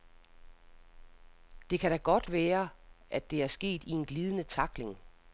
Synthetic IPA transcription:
d̥e̝kʰæɾ̥æɡ̥ɒ̽d̥ʋæːɐʔæd̥ːe̝æɐsɡ̥e̝̰ːd̥ie̝nɡ̥liːð̞ˠənət͡sʰɑ̈ɡ̥le̝ŋ

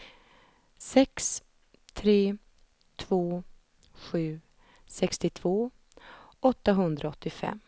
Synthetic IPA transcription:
sɛks | t̪ʰɾeː | t̪ʰv̥oː | ɧʉ̟ː | sɛkst̪ɪt̪ʰv̥oː | ɔt̪ːaɦɵnd̪ɾaɔt̪ːɪfɛ̰m

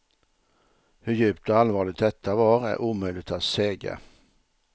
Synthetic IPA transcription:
hɵɾjʉ̟ːpt̪ɔalvɑːɭɪɡ̚t̪̚d̪ɛt̪ʰːavɑɾæ̰ɾʔuːmœʏlɪɡt̪at̪seːɡa̰

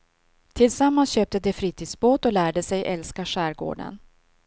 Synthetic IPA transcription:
t̪ʰɪlsamːansɕøːp̚t̪əd̪ɛfɾiːt̪ʰiːd̪sboːt̪ɔlæːɖəsɛjʔɛlskaʂæːɾɡo̰ːɖə̰n

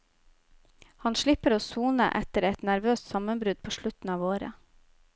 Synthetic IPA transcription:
hɑnʃɭɪpəɾoːsuːnə̰ʔɛt̪əɾɛt̪næɾʋøːst̪sɑmənbɾʉd̪̚pʰoːʃɭʉt̪n̩ɑːʋoːɾə̰

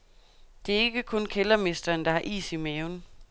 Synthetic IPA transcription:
d̥e̝æɐe̝ɡ̥əkʰɔ̽nkʰelɐme̝sd̥ɐːnd̥ɑ̈hɑʔḭːsimɛːʊn

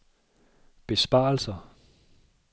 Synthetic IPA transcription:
b̥e̝sb̥ɑ̈ːl̩sɐ

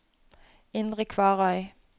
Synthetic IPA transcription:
ɪnd̪ʁəkʰʋɑːʁɔʏ

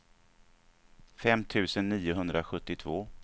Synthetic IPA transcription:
fɛmːt̪ʰʉ̟ːsənːiːʊɦɵnd̪ɾaɧɵt̪ːɪt̪ʰvoː

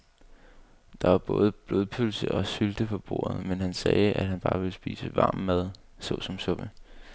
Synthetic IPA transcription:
d̥ɑ̈ʋɑ̈b̥ɔ̽ːð̞ˠəb̥lo̝ðˠpʰølsəʔɒ̽syld̥əpʰɒ̽b̥o̝̰ːɐð̩ˠmenɦænsɛːæd̥hænb̥ɑ̈ːʋe̝lsb̥ḭːsəʋɑ̈ːmːæð̞ˠ | sɔ̽sɒ̽msɔ̽b̥ə

